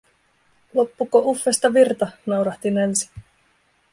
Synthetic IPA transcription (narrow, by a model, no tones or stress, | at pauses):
lo̞pːukːoʔufːest̪ɑʋirt̪ɑnɑwɾɑht̪inelsi̥